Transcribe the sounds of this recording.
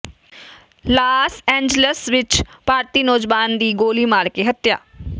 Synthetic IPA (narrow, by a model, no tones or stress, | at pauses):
laːsɛ̃ːɲd͡ʒələsʋɪt͡ʃpaːɾt̪iːnoːd͡ʒʋaːnd̪iːɡoːliːmaːɽkeɦət̪ja̰ː